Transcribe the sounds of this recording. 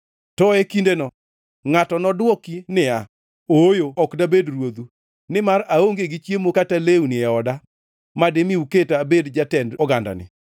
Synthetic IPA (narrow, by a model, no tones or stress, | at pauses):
tɔekindenɔ | ŋatɔnɔdwɔkinɪa | ojoɔkdabedrwod̪u | nɪmaɾaoŋɡeɡɪt͡ʃjemokataleunɪɛɔda | mademiuketabedd͡ʒatɛndɔɡanda̰nɪ̰